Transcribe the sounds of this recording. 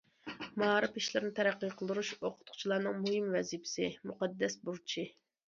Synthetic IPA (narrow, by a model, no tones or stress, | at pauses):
mɑɾɨpiʃlɪɾnɪt̪ʰɛɾæqːijqʰəlˠd̪uɾuʃoqʰʊ̥t̪qʰʊ̥t͡ʃʰilˠɑɾnɨŋmuhɪmvɛzipʰɪ̥sɪmuqɑd̪ːɛsbuɾt͡ʃʰi